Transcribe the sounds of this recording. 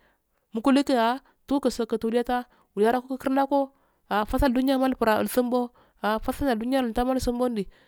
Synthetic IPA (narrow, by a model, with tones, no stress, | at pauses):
mu˨ku˦li˦ke˦a˨ | tu˦kə˨so˨kə˨tu˨li˦a˦ta˦ | wu˨la˦ɾa˦ko˦kə˦ki˦ɾna˦ko˦ | a˨fa˦sa˦ldu˦n˦a˦ma˦lpu˨ɾa˨ə̰˨lsə˦mbo˦ | a˨fa˦sa˦la˨du˦n˦a˦ə˨ta˦ma˦lsə˦mbo˦n˦di˨